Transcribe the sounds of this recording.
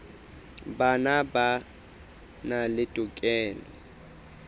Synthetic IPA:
banaba | nalɪtʼʊkʼɛːlɛ

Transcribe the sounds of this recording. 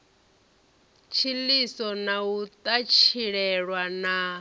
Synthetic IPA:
t͡ʃʰilisɔnaut̪ʼat͡ʃʰiɺɛɺwana

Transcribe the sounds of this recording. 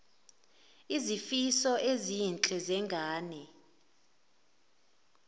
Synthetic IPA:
izifisɔʔezint͡ɬʼɛzɛŋɡʱaːnɛ

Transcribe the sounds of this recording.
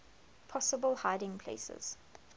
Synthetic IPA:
pʰɔsəbəlˠhaɪdɪ̃ŋpʰl̥ḛɪsə̰z̥

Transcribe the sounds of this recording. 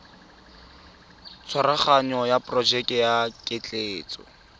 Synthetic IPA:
t͡sʰwaɾaχaɲɔjapʼrɔd͡ʒɛkʼjakʼɪt͡ɬʼeːt͡sʼɔ̰

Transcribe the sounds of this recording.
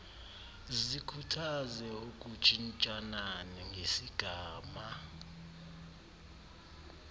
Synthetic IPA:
zikʰutʰazɛuk̬ʼu̥t͡ʃʼint͡ʃʼananiŋɡʱesiɡ̥ʱaːma

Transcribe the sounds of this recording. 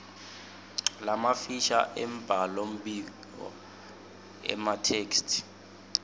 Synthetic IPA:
lamafiʃa̰ʔɛmb̥ʱalom̩ɓiɡ | ɔ̰ | ɛ̰matʰeːkstʰi̥

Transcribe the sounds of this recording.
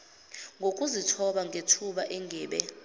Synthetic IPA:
ŋɡʱokʼuzitʰɔɓaŋʱetʰuɓaʔɛŋʱɛːɓɛ

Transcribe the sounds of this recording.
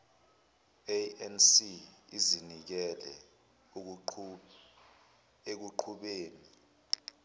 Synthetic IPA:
eɛnsiizinik̬ɛlɛ̰ | ek̬uǃʰuɓeːni

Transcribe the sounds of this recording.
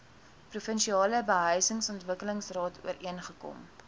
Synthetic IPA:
prufənʃiɑːləbəɦœɥsəŋsɔntvəkələŋsrɑːtʰṵəiənχəkɔ̰m

